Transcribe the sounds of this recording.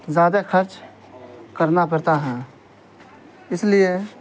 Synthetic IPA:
zaːd̪akʰəɾt͡ʃ | kəɾnapəɽt̪aɦɛ̃ | ɪslie

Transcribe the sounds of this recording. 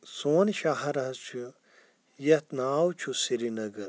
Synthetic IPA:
soːnʃaɦɐɾɐt͡ʃʰu | jɐt̪naːwt͡ʃʰusiɾinɐɡɐɾ

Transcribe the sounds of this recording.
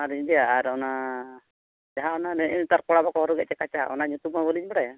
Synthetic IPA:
aɾɲd̪ɛjaːɾɔna | d͡ʒaɦaɔnanɛɛnt̪aɾkɔɽabakɔɦɔɾɔɡɛʔ̚t͡ʃɛkat͡ʃaɔ̰naɲut̪umabɔliɲbɔɽaja

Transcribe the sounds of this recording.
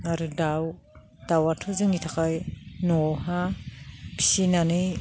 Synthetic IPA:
aɾɯdaw | d̥awatʰɔzɯŋitʰakajnɔɦa | pʰi̥sinanɯj

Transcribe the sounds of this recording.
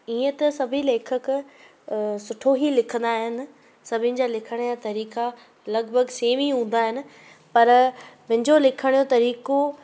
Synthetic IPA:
iːə̃t̪ɐsɐbʱileːkʰək | sʊʈʰoɦilɪkʰə̃nd̪aːɦɪnɪ̆ | sɐbʱɪnɪ̆d͡ʑaːlɪkʰəɽ̃ijat̪ɐɾiːka | lɐɡbʱəɡseːʋiɦũːn̆d̪aːɦɪnɪ̆ | pɐɾmɪ̃ɦɪ̃ɲd͡ʑolɪkʰəɽ̃ijot̪ɐɾiːko

